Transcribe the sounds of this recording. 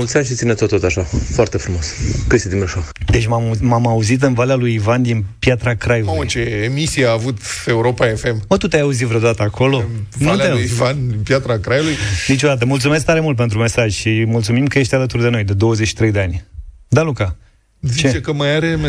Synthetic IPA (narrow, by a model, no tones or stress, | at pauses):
ult̪saʃit̪sinet̪ot̪ot̪aʃafoart̪efɾumo̞skəst̪ed̪imeʃokd̪et͡ʃʲmammamauzit̪̬ɨnvalealujivand̪inpjat̪ɾakɾajuloət͡ʃeːmisiaːvut̪euɾo̞paefe̞mmət̪ut̪eajauzivɾet̪at̪əakʰo̞lo̞nuleujivand̪inpjat̪ɾakɾajulujnit͡ʃod̪at̪əmult̪sumes̬k̚t̪aɾe̞mult̪̚p̬et̪ɾume̞saʒʲʃimult̪sumimkəje̞ʃt̪ʲalət̪urd̪e̞no̞jd̪e̞d̪o̞wəzet͡ʃʃi̥t̪ɾejd̪eanʲd̪aluka | zit͡ʃet͡ʃekəmajaɾem